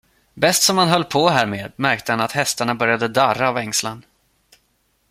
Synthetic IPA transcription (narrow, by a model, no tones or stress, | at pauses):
bɛst̪sɔmhanɦœlːpʰɔɦæːɾmeːd̪mæɾk̚t̪əhanat̪hɛst̪aɳabœɾjad̪əd̪aɾːaːvɛŋslan